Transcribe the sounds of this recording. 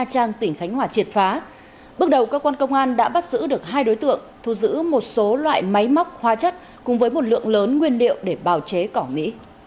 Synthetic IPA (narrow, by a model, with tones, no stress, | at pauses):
a˧t͡ɕaː˧ŋt̪ï˧˩ŋ̟t̪ʰa˨˦ŋ̟ɦwaː˧˩t͡ɕi˨˩ət̚faː˨˦ | ɓɨ˦˥ək̚ɗə˨˩wkəː˧kwaː˧nkə˧wŋ͡mʔaː˧nɗa̰ː˧˥ɓa˦˥t̚zɨ̰˧˥ɗɨ˨˩ək̚ɦaː˧jɗo˨˦jt̪ɨ̰˧˨əŋt̪ʰu˧˩zɨ̰˧˥mo˨˩t̚so˨˦lwa̰ː˧˨jma˨˦jma˦˥wk͡p̚hwaː˨˧˦t͡ɕa˦˥t̚ | kʊ̰˧˥ŋ͡mvəː˨˦jmo˨˩t̚lɨ̰˧˨əŋləː˨˦nŋwi˧ənlḭ˧˨əwɗe˧˩ɓaː˨˩wt͡ɕe˨˦kɔ˧˩mḭ˧˥